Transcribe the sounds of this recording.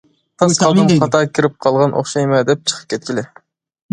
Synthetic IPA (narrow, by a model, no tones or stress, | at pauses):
t̪ʰɑsqɑlˠd̪ɨmqɑt̪ɑkʲʰiɾɪp̚qʰɑlˠʁɑnʔo̰χʃɑjmɑd̪ɛp̚t͡ʃʰə̥qʰə̥p̚kʲʰet̪̚kʲʰilɪ